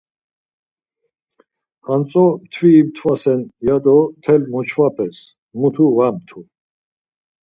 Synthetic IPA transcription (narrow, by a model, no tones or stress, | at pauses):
ant͡sʼɔmt̪ʰwiːmt̪ʰvasɛnjad̪ɔt̪ʰɛlmɔt͡ʃʰvapʰʼɛs | mut̪ʰuvamt̪ʰu